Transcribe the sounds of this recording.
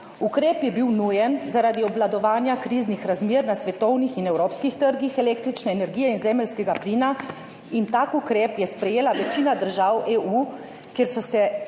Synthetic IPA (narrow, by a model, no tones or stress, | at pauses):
ukɾeːpjɛbiwnujɛnzaɾaːd̪iɔblad̪ɔʋaːnjakɾiːznixɾazmjeːɾnasʋɛt̪ɔwnixinɛwɾoːpskixt̪əɾɡixɛleːk̚t̪ɾit͡ʃnɛːnɛɾɡiːjɛinzɛːməlskɛɡapliːna | int̪akukɾeːpjɛspɾɛjeːlaʋɛt͡ʃiːnad̪əɾʒaweːʔuː | kjeɾsɔsɛ